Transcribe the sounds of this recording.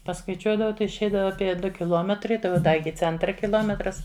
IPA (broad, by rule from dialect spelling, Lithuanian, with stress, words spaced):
pɐskɐɪˈt͡ʃʲuɔdɐʋɐʊ ˈtɐɪ ɪʃʲˈɛɪdɐʋɐ ɐpʲiɛ ˈdʊ kʲɪˈlˠoːmʲɛtrɐɪ ˈtɐɪ oː ˈdɐ ˈɪkʲɪ ˈt͡sʲɛntrɐ kʲɪˈlˠoːmʲɛtrɐs